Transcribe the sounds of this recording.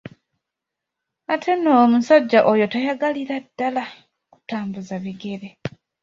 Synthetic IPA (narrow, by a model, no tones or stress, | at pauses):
atʰe̞nomusaɟːaʔojo̞tajaɡaliɾadːala | ku̥taːmbuzaβiɡe̞ɾe